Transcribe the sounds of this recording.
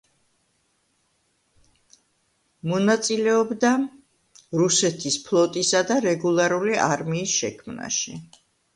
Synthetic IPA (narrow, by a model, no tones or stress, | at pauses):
mɔnat̪sʼilɛɔbd̪a | ɾusɛt̪ʰispʰlˠɔt̪ʼisad̪aɾɛɡulˠaɾuliʔa̰ɾmiːsʃɛkʰmna̰ʃḭ